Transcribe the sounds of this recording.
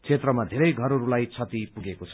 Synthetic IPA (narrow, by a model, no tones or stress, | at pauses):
t͡sʰet̪rʌmad̪ʱeɾʌjɡʱʌɾʌɾulajt͡sʰʌt̪ipuɡekot͡sʰʌ̥